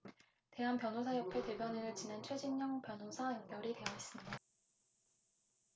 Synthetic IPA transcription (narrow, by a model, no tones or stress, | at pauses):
te̞ɦanpjʌnɦosʰajʌpʰːete̞bjʌneɾɯɭt͡ɕinant͡ɕʰwed͡ʑʰinɲʌŋpjʌnɦosʰajʌŋbjʌɾite̞jʌis͈ɯmɲida